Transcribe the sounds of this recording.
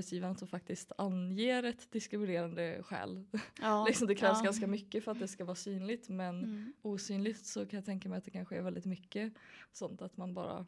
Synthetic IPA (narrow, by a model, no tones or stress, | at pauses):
ɛt̪sjiːvaɳasɔmfak̚t̪ɪst̪ʰanjeːɾɛt̪ːd̪ɪskɾɪmɪneːɾand̪əɧɛ̰ːllɪksɔmd̪ɛkʰɾɛːvsɡanskamʏkːəfœɾat̪̚d̪ɛskavɑːɾsyːnlɪɡt̪mɛnuːsyːnlɪt̪sɔkʰanjat̪ʰɛŋkamɛɪjat̪̚d̪ɛkʰanɧəɛɾvɛld̪ɪt̪mʏkːəsɔnt̪at̪manbɑ̰ːɾa̰